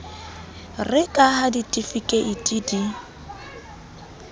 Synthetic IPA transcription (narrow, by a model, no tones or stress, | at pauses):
rɪkʼahaditʼifikʼɛʔitʼidi